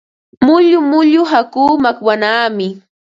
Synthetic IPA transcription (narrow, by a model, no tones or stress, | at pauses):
mʊʎʊmʊʎʊɦakuːmakwanaːmɪ